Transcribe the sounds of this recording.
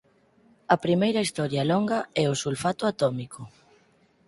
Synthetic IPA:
ɐpɾimejɾɐist̪ɔɾjɐlɔŋɡɐɛʊsulfat̪ʊat̪ɔmikʊ

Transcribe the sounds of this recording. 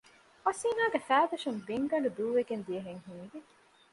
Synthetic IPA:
ɐsiːnaːɡefæːd̪ɐʃɐmbeŋɡɐɳɖud̪uːʋeɡend̪iɐɦeŋɦiːɡe

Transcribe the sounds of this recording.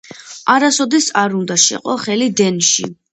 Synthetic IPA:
aɾasɔd̪ɛsaɾund̪aʃɛ̰qʼɔχɛlid̪ɛnʃḭ

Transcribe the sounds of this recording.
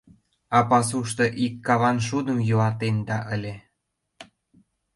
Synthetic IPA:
ɑpɑsuʃt̪ɤ̆ʔikːɑβɑnʃud̪əmjulɑt̪end̪ɑʔə̆lʲe

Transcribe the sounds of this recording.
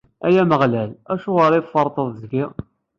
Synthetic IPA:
æjæməʁlælæʃuʁəɾˤiðfəɾˤt̪ˤəðˤzɡi

